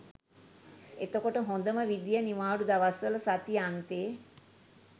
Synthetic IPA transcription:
et̪əkoʈəɦõnd̪əməʋid̪ijəniʋaːɖud̪aʋasʋələsat̪iant̪eː

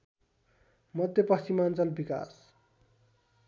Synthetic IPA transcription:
mʌd̪ʱjʌpʌst͡simant͡sʌlbika̰s

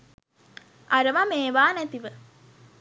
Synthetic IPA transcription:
ʔaɾəʋameːʋaːnæt̪iʋə

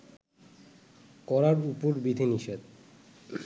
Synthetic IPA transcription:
kɔɾaɾupoɾbid̪ʱiniʃed̪

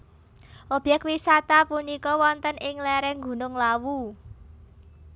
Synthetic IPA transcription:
ʔob̥jɛkwisat̪apunikɔwɔnt̪ənɪŋlɛɾɛhŋɡṳnʊŋlawu

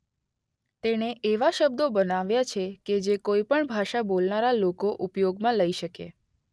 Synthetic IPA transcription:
t̪eneʔeʋaʃəb̚d̪obənaʋjat͡ʃʰeked͡ʒekoipəɳbʱaʃabolnaɾalokoʔupjoɡmãləiʃəke

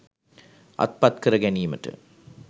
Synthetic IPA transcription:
ɐ̰t̪̚pɐt̪kəɾɐɡænijməʈɨ̰

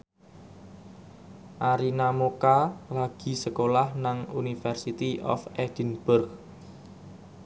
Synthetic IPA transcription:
ʔaɾinamokalaɡ̥i̤səkolahnaŋunifɛrsit̪iʔɔ̰fɛd͡ʒ̥ənb̥ʊrk

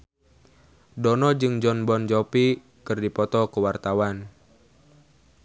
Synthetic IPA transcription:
dɔnɔd͡ʒɨŋd͡ʒɔnbɔnd͡ʒɔpi | kɨrdipɔt̪ɔkəwart̪awan

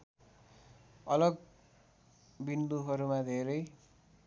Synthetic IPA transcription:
ʌlʌɡ | bind̪uɦʌɾumad̪ʱeɾʌj

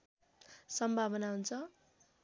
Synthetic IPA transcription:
sʌmbʱabʌnaɦunt͡sʰʌ

